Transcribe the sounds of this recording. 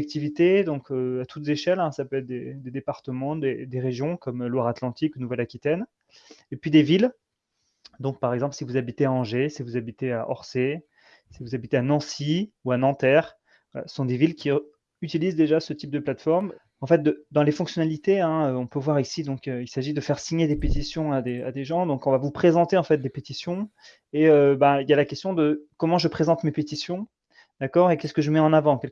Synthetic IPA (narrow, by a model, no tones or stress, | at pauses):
ɛk̚t̪ivit̪ed̪ɔ̃kʰøat̪ʰut̪zeʃɛlɛ̃sapøɛt̪χd̪ed̪ed̪epaʁt̪əmɑ̃d̪ed̪eʁeʒjɔ̃kɔmlwaʁat̪lɑ̃t̪ikunuvɛlakʲit̪ɛn | epɥid̪evil | d̪ɔ̃k̚paʁɛɡzɑ̃plsivuzabit̪eaɑ̃ʒesivuzabit̪ea̰ʔɔʁse | sivuzabit̪eanɑ̃siuanɑ̃t̪ɛʁ | vala̰sə̥sɔ̃d̪evilkʲi | yt̪ilizd̪eʒasət̪ip̚d̪əplat̪fɔʁm | ɑ̃fɛt̪̚d̪əd̪ɑ̃lefɔ̃ksjɔnalit̪eɛ̃øɔ̃pøvwaʁisid̪ɔ̃køilsaʒid̪əfɛʁsiɲed̪epet̪isjɔ̃ad̪ea̰d̪eʒɑ̃d̪ɔ̃kɔ̃vavupχezɑ̃t̪eɑ̃fɛt̪̚d̪epet̪isjɔ̃ | eøbailjalakʲɛst̪jɔ̃d̪əkɔmɑ̃ʒəpχezɑ̃t̪mepet̪isjɔ̃ | d̪̥akɔʁekʲɛsəkəʒəmɛɑ̃navɑ̃kʲɛl